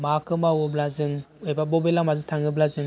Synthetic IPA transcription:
makʰɯmawɯblazɯŋojbabɔbelamazɯtʰaŋɯblazɯ

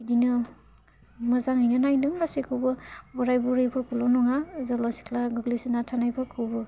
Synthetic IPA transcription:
idinɯ | mɐzaŋajnɯnajnɯŋbasikʰɯwbɯbɔɾajbuɾijpʰɯɾkʰulɔnɔŋazɔlasi̥klaɡɯɡlisinatʰanajpʰɯɾkʰɯwbɯ

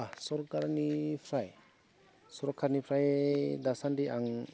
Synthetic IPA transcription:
sɔɾkaɾnipʰɾaj | suɾɔkʰːaɾnipʰɾajd̪asandiaŋ

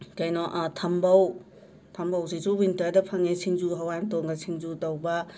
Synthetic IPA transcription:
kɐjnɔʔtʰɐmbɐw | tʰɐmbɐwsisuwintɐɾdɐpʰɐŋesʰiŋzuɦawajntoŋɡɐsʰiŋzutɐwbɐ

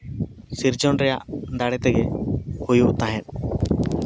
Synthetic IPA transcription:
siɾd͡ʒɔnɾɛja̰ʔd̪aɽɛt̪ɛɡɛhujuʔt̪aɦɛn

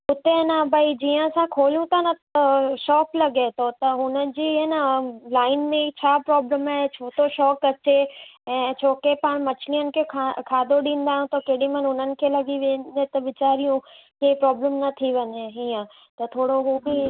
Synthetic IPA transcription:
ʊt̪enabʱɐid͡ʑiːə̃sãkʰoːlijũt̪ɐnɐʃɔːklɐɡet̪ʰot̪ɐɦʊnəd͡ʑiːɦenəlaːɪnmẽt͡ɕʰaːpɾɔːbləmaːet͡ɕʰoːt̪ʰoʃɔːkɐt͡ɕeɛ̃ːt͡ɕʰoːkepaːɽ̃mɐt͡ɕlijənɪ̆kʰekʰakʰaːd̪oɗĩːn̆d̪aːɦũt̪ɐkeːɽimɐnʊnənɪ̆kʰelɐɡiʋẽːnd̪et̪ɐʋɪt͡ɕaːɾijũ | keipɾɔːbləmnɐt̪ʰiʋɐɲeɦiːə̃ | t̪ɐt̪ʰoːɽoɦuːbɪ

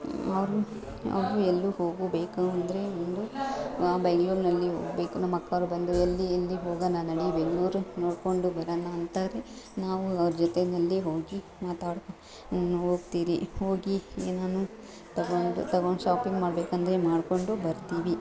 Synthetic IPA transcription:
ɐʋɾu | ɐ̰ʋɾuelːuhoːɡubeːkuɐnd̪ɾe̞ond̪uaːbeɡluːɾnɐlːiɦo̰ːɡbe̞ːkunɐmːɐkːɐʋɾubɐnd̪uelːiɐlːiɦoːɡɐnanɐɽibeɡluːɾno̞ːɽko̞ɳɖubɐɾɐnɐːnt̪aːɾe | naːʋuɐʋɾɐd͡ʒɔt̪enɐlːiɦo̞ːɡi | maːt̪aːɽk | naːnːuɦo̞ːɡt̪iːɾihoːɡieːnaːnu | t̪ɐɡoɳɖṵt̪ɐɡoɳɖʃaːpiŋɡmaːɽbeːkɐnd̪ɐɾemaːɽko̞ɳɖubɐɾt̪iːʋi

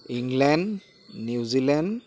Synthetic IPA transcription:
iŋɡlɛnɖ | nuwzilɛn

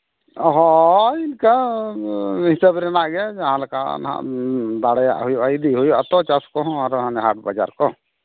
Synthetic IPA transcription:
ɔɦɔinka | hisəbɾɛnaʔɡɛd͡ʒaɦãlaka̰nã̰d̪aɽɛja̰ʔɦujɔʔajd̪iɦujʔat̪ɔt͡ʃaskɔaɾɦanɛɦaʈ̚bad͡ʒa̰ɾkɔ

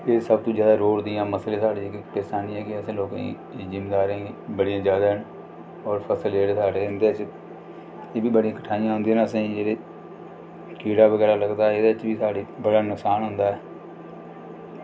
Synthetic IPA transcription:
eːsəb̚t̪õːd͡ʒjaːd̪aːɾoːɽd̪ɪjãːməsleːsaːɽeːɪkpeːsaːnĩːɛːkɪəsẽːloːkã̰ː | d͡ʒɪmeːd̪aːɾẽːbəɽijãːd͡ʒjaːd̪aːɦən | ɔːɾpʰəsəleːʈːsaːɽeːɪnd̪eːɪt͡ʃ | eːbiːbəɽijãːkəʈʰaːijãːɦʊ̃nd̪eɦnəsẽːd͡ʒeːɽeː | kiːɽaːbəɡɛːɾaːləɡd̪aːɛed̪eːɪt͡ʃʋiːsaːɽiːbəɽaːnʊksaːnɦʊ̃nd̪aːɛː

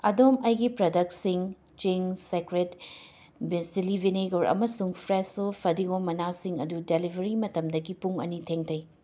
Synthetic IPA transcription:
ɐdomɐjɡipɾɐdɐk̚tsiŋ | t͡ʃiŋsekɾet | bsilibʱineɡoɾʔɐ̰mɐsuŋpʰɾesopʰɐdiɡomɐnasiŋɐdudelibʱɐɾimɐtɐmdɐɡipuŋɐ̰nitʰeŋtʰɐj

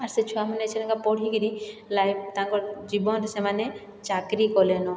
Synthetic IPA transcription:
aɾset͡ʃʰuamanet͡ʃʰɛɾaŋkapɔɽ̤ikiɾilajb̚t̪aŋkɔɾd͡ʒibɔnt̪semane | t͡ʃakɾikɔlɛnɔ

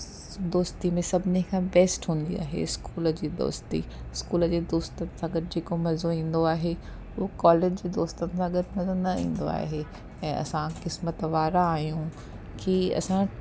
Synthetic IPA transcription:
d̪oːst̪imẽsɐbʱɪnikʰãːbeːsʈɦũːn̆d̪ia̰ːɦḛɪskuːləd͡ʑiːd̪o̰ːst̪ḭɪskuːləd͡ʑeːd̪oːst̪ənɪ̆sãɡɐɾɪd͡ʑeːkomɐzoĩːn̆d̪oaːɦe | ʊɦokɔːleːd͡ʑd͡ʑeːd̪oːst̪ənɪ̆sãɡɐɾmɐzonɐḭ̃ːn̆d̪o̰a̰ːɦe | ɛ̃ːʔɐ̰sãkɪsmət̪ʋaːɾaːɦijũ | kiɐ̰sã

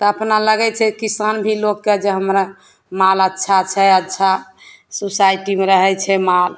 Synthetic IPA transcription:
t̪ɔəpnaləɡɛt͡ʃʰɛkisanbʱilokːed͡ʒeɦəmɾa | malətːʃʰat͡ʃʰɛətːʃʰa | susaiʈimeɾəɦɛt͡ʃʰɛmal

